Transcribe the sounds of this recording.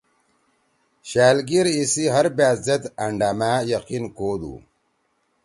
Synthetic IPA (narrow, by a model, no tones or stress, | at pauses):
ɕaːlɡiɾisiɦɐɾbaːzet̪ɐɳɖaːmaːjɐqinkoːd̪ṵ